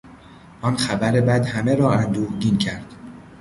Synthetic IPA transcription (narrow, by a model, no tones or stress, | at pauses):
ʔɒnxæbæɾebæd̪hæme̞ɾɒːænd̪uːɡiːncʰæɾd̪̥